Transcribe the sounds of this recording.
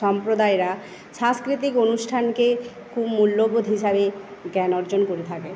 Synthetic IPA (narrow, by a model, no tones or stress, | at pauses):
ɔmpɾod̪aeɾa | ʃãskɾit̪ikonusʈʰanke | kʰubmulːobod̪ʱɦiʃabeɡɛnɔɾd͡ʑonkoɾet̪ʰake